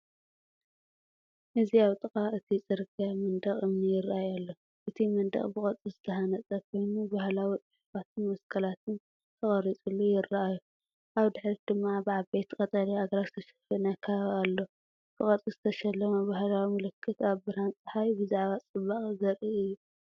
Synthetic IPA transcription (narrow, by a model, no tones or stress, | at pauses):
ʔɨziaβt̪ʼɨkʼaɨt̪ʰit͡sʼɨɾɡʼjamɨnd̪ɐχʼʔɨmnijɪrːʔajalːo̞ | ʔɨt̪ʰimɐnd̪ɐ̰χʼbɨχʼɐt͡sʼizɨt̪ʰɐɦanɐt͡sʼɐkʰo̞jnubahlawit̪ʼɨħufat̪̚ʰɨnmɐskʰɐlat̪ʰɨn | t̪ʰɐχʼɐɾit͡sʼulːujɪrːɐʔaju | ʔaβd̪ɨħɾid̪̥ɨmːabɨʕabet̪kʼɐt̪ʼɐliaɡɐɾazɨt̪ʰɐʃɐ̥fɐnɐkʰɐβalːo̞ | b̥ɨkʼɐt͡sʼizɨt̪ʰɐʃɐlːɐmɐbahlawimɐlɨkʰːɨt̪aβbɨɾant͡sʼɐħawibɨzaʕβat͡sʼɨβːaχʼɡɐɾiɨjːu